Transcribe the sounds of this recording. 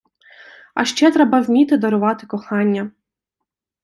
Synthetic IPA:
ɐ̰ʃt͡ʃɛt̪ɾɛbɐzʲmʲit̪ɪd̪ɔɾʊʋɑt̪ɪkɔxɑnʲːɐ

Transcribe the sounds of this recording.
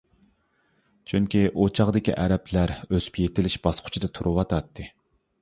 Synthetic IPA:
t͡ʃʰyŋkʲʰiʔot͡ʃʰɑʁd̪ɪkʲḭʔæɾɛplæɾøzy̥pjet̪ɪlɪʃbɑsqʰʊ̥t͡ʃʰid̪ɨt̪ʰuɾuwɑt̪ʰɑt̪ʰːɨ

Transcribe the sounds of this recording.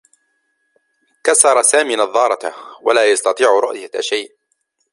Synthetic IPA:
kasɑɾˤɑsaːmiːnɑðˤːɑːɾˤɑt̪walaːjɑst̪ɑt̪ˤiːʕɾʊ̰ʔjaaʃajʔ

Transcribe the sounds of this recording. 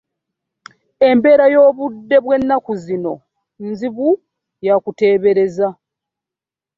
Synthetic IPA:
e̞mbe̞ːɾajo̞ːβudːe̞βwe̞nːakuzino̞ | nziβu | jakute̞ːβe̞ɾe̞za

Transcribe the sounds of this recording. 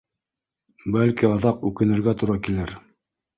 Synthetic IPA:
bælkiɑðɑqʉkɘ̆nɘ̆ɾɡæt̪uɾɑkilɘɾ

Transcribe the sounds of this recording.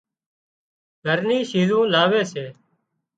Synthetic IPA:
ɡʱəɾniːʃiːzũːlaːʋeːseː

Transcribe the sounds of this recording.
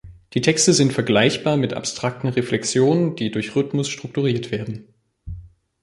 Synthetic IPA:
d̥iːtʰɛkstəzɪntfɛɐɡlaɪçb̥aːɐmɪtʔa̰pstʁ̥ak̚tn̩ʁeflɛksjoːnənd̥iːdʊɐçʁʏtmʊsʃtʁ̥ʊk̚tuʁiːɐtv̥eːɐdn̩

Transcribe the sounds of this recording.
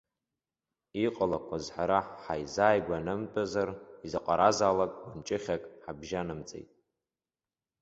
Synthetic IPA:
iqʼalakʷʰazħaɾaħħajzaːjɡʷanɨmt͡pʼazarizaqʼaɾazaːlakʼɡʷant͡ʃʼɪχʲakʼħabʒanɨmt͡sʼḛjtʼ

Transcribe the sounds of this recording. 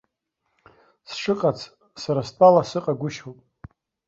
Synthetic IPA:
sʈ͡ʂʰɨqʼat͡sʰ | saɾastʼalasɨqʼaɡʷʊʃowpʼ

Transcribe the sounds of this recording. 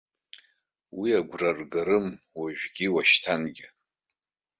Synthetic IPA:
wiaɡʷrarɡaɾɨm | waʒᶣɡʲiwaʃtʰanɡʲɪ

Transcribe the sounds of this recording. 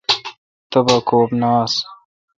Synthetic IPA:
t̪ɐbɐkoːpnɑːs

